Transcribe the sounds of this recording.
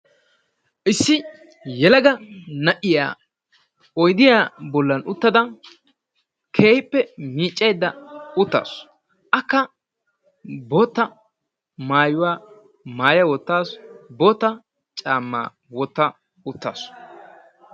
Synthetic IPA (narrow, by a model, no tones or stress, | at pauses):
ʔɪsːɪ | jɛlɐɡɐnɐʔɪja̰ː | ɔjd̪ɪjaːbɔlːɐnʔʊt̪ːɐd̪ɐ | kʰe̞ːhɪpːɛmiːt͡ʃʼːɛjd̪ːɐʊt̪ːa̰ːs | ʔɐkːɐ | bo̞ːt̪ːɐ | maːjʊwaː | maːjɐwɔt̪ːaːsbo̞ːt̪ːɐ | t͡ʃʼaːmːa̰ː | wɔt̪ːɐ | ʊt̪ːa̰ːs